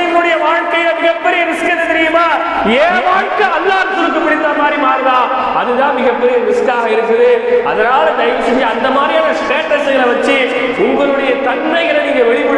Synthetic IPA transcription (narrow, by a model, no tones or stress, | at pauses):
mɯɽɐjɐʋaːɻkɐjɪlɐmɪɣɐpːɛɾɪjɐnɪskːɐðɐt̪ɛɾɪjɯmaː | eːʋaːɻkɐɐlːaːɾt̪ʊɾɯkːɯpːɐɽɪt̪ːaːmaːɾimaːɾɯʋaː | ɐðɯt̪ãːnmɪɣɐpːɛɾɪjɐnɪsɯkːaːɣɐɪɾɯkːɐðɯɐ̰ðɐɾaːlɯd̪ɐjʋɐsɛɲd͡ʒɐɐnd̪ɐmaːd̪ɾijaːnɐsʈeːʈːɐsɐŋɡɐɭɐʋɐt͡ʃːɯ | ʊŋɡɐɾɯɽɐjɐt̪ɐɳmɐɪɣɐɭɐniːŋɡɐʋɛɭɪpɯɭː